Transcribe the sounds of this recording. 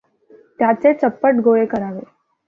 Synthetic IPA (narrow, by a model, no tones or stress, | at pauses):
t̪jat͡set͡səpːəʈɡoekəɾaʋe